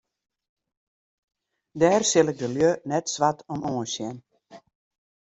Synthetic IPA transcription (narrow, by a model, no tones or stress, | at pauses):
dɛːrsɪlˠɪɡ̚dəljønɛtsʋatʰɔmoːsjɛn